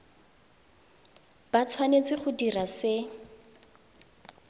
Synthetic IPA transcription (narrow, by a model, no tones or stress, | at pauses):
b̥at͡sʰwanet͡sɪχʊdirasɪ